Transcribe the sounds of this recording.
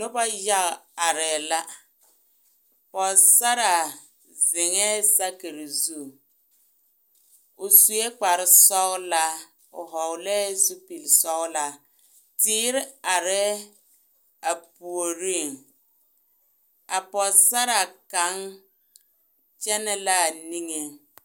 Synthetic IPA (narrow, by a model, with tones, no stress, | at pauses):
no˦ba˦ja˦ɣa˨ɾɛ˨la˦ | pɔ˨sa˦ɾa˨ | zɪ˨ŋɛ˦sa˦ki˨ɾzu˦˨ | ʊ˨su˨e˦k͡pa˨ɾɪ˦sɔ˦ɣla˦ | ʊ̰˨ɦɔ˨lɛ˦su˦pi˨lsɔ˦ɣla˨ | tɪː˦ɾɪ˦a˨ɾɛ˦ | a˨pu˨o˨ɾi˦˨ŋ | a˨pɔ˨sa˦ɾa˨ka˨˦ŋ | d͡ʒɛ˦nɛ˦la˦˨ni˦ŋe˨ŋ